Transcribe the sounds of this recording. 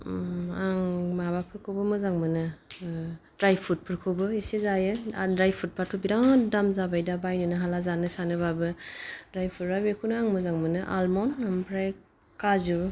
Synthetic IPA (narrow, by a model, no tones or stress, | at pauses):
aŋmabapʰɯɾkʰobɯmɯzaŋmɯnɯ | dɾajpʰut̚pʰɯɾkʰɯbɯesezajɯdɾajpʰut̚pʰatʰubidaŋdamzabajdabajnɯnɯɦalazanɯsanɯbabɯdɾajpʰutɾabekʰunɯaŋmɯzaŋmɯnɯʔa̰lmɔnampʰɾaj | kazu